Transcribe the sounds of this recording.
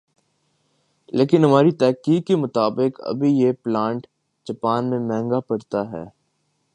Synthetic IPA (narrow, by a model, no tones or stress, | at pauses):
leːkɪnɦɐmaːɾit̪ɛːkiːkkːemʊt̪aːbɪkɐ̰bʱijeplãːɳʈ | d͡ʒɐpaːnmẽmɛ̃ːŋɡapɐɾt̪aɦɛ̰ː